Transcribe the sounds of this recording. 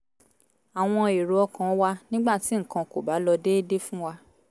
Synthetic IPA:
a˨w̃ɔ̃˧e˨ɾu˨ɔ˧kã˨ɔ˦wa˦nĩ˦ɡ͡ba˦˨ti˨˦ŋ̩˨kã˧ko˨ba˨˦lɔ˧de˦de˦fũ˦wa˧

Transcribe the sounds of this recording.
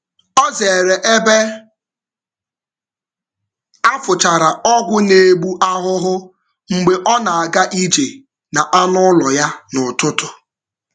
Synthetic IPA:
ɔ˦ze˨ɾe˨ʔe˦be˦ | a˦fʊ˨t͡ʃa˨ɾa˨ɔ˦ɡʷʊ˦ne˨ɡ͡bu˦ʔa˦ɦʊ˦ɦʊ˦ | ŋ͡m̩˨ɡ͡be˨ʔɔ˦na˨a˨ɡa˦ʔi˦d͡ʒe˨ | na˨ʔa˦nʊ˦lɔ˨ja˦nʊ˨tʊ˦tʊ˦

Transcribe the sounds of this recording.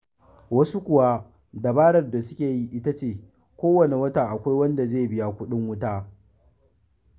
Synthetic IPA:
wɐ˦su˦kʷʊ˨wa˦ | da˨baː˦ɽɐ˨rda˨sʊ˦kʲeː˨ji˦ʔɪ˦ta˦t͡ʃeː˦˨ | kʷoː˦wɐ˨ne˨wɐ˦taː˨ʔa˨kʷa˦jwɐ˦nda˨zeː˦˨bɪ˦ja˦kʷʊ˦ɗɪ˦ŋwʊ˦taː˦

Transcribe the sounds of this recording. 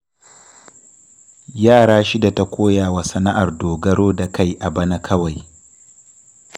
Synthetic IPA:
jaː˦˨ɽaː˦ʃi˦da˨ta˦kʷoː˦jaː˨wa˨sɐ˦na˦ʔa˨rdoː˨ɡɐ˦ɽoː˦da˨ka˦˨jʔa˨bɐ˦na˦kʰɐ˦wa˨j

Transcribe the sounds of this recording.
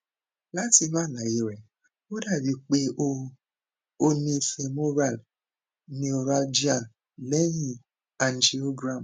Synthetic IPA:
la˦ti˦βa˦˨na˨i˨ɾe˨ | o˦da˨bi˨k͡pe˨˦ | o˦ni˨fe˨mo˦ɾa˦˨l | ni˨o˨ɾa˨ld͡ʒi˦a˨ | le˦ɲi˨ | a˨n̩˨d͡ʒi˨o˦ɡɾa˦˨m

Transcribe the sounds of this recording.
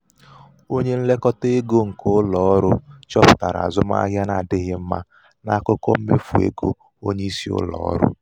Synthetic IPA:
o˦ɲe˦n̩˦le˦kɔ˦te˦ɡo˦ŋ̩˨ko˦ʊ˦lɔ˨ɔ˦ɾʊ˦t͡ʃɔ˦pʊ̥˨ta˨ɾa̰˨zʊ˦ma̰˦ɦja˦na˨dɪ˦ɣɪ˦m̩˦ma̰˦ | na˦kʊ˦kɔ˦m̩˦me˦fu˨ḛ˦ɡo˦ | o˦ɲe˦i˦si˦ʊ̰˦lɔ̰ː˨˦ɾʊ̰˦

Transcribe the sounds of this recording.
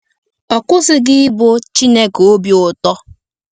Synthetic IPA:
ɔ˨kʊ˦sɪ˦ɡɪ˦ɪ˦bo˦t͡ʃi˦ne˦ko˦bjʊ˨tɔ˦

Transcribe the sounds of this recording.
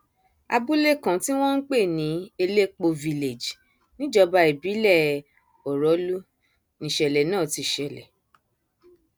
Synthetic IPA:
a̰˧bu˦le˦kã˨ti˦w̃ɔ̃˦n̩˦k͡pe˦˨nĩ˨˦e˧le˦k͡po˧vi˧le˨d͡ʒ | nĩ˦d͡ʒɔ˧ba˧i˨bi˨˦lɛ˦˨ | ɔ˨ɾɔ˨˦lu˦ | nĩ˨ʃɛ˨lɛ˨nãː˦˨ti˧˨ʃɛ˨lɛ˨

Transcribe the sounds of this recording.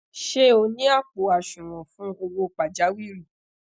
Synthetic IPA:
ʃe˦o˧nĩ˦a˦˨k͡po˨˦a˨ʃũ˨ɾ̃ɔ̃˨fũ˨˦o˧wo˧k͡pa˨d͡ʒa˨˦wi˦˨ɾũ˦˨

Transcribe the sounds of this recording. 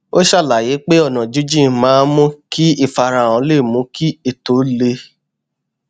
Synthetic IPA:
o˦ʃa˦˨la˨je˨˦k͡pe˦ɔ˦˨nã˨d͡ʒu˨˦d͡ʒĩ˦˨mãː˨˦mũ˦ki˦i˦˨fa˧ɾã˨ɔ̃˨˧˦le˦˨mũ˨˦ki˦e˦˨to˨˦le˧

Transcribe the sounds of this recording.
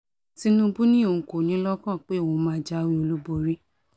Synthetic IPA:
ti˦nũ˦bu˦nĩ˦õ˧˨ko˨nĩ˨˦lɔ˦kɔ̃˦˨k͡pe˦˨wõ˧mãː˦d͡ʒa˦˧wi˦o˧lu˦bo˧ɾi˦

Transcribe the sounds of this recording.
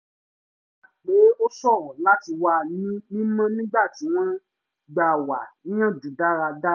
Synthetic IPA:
k͡pe˨˦o˦sɔ˦˨ɾɔ̃˨la˦ti˧wa˧nĩ˦nĩ˦mã˦nĩ˦ɡ͡ba˦˨ti˨˦w̃ɔ̃˦ | ɡ͡ba˨wa˨nĩ˦ã˦˨d͡ʒu˨da˦ɾa˧da˦

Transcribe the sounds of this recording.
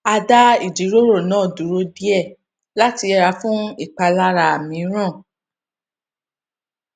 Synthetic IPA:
a˧da˦i˦˨d͡ʒi˨˦ɾo˦ɾo˦˨nãː˦˨du˨˦ɾo˧di˦ɛ˦˨ | la˦ti˧ɛ˧ɾa˧˦fũ˦i˦˨k͡pa˧la˦ɾa˧˨a˨mĩ˨˦ɾ̃ã˦˨

